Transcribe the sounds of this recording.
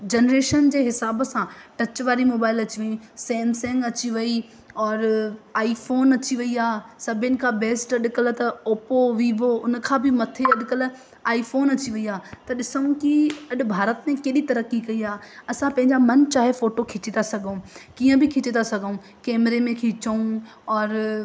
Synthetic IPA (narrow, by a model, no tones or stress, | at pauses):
d͡ʑɐnɾeːʃənd͡ʑeːɦɪsaːbsãʈɐt͡ɕʋaːɾimoːbaːɪlɐt͡ɕiʋɐĩsɛ̃ːnsɛ̃ŋɡɐt͡ɕiʋɐi | ɔːɾaːifoːnɐt͡ɕiʋɐiaːsɐbʱɪnɪ̆kʰãːbeːsʈɐɗɪkəlt̪ɐoːpoʋiːʋoʊn̆kʰãːbʱɪmɐt̪ʰeɐɗɪkəl | aːifoːnɐt͡ɕiʋɐiaːt̪ɐɗɪsəũkiɐɗʊ̆bʱaːɾət̪mẽkeːɗit̪ɐɾəkikɐiaːɐsãpɐ̃ɦɪ̃ɲd͡ʑamɐnt͡ɕaːɦefoːʈokʰɪt͡ɕet̪asɐɡʱũkiːə̃bʱɪkʰɪt͡ɕet̪asɐɡʱũ | kɛːmɾemẽkʰɪt͡ɕəũɔːɾ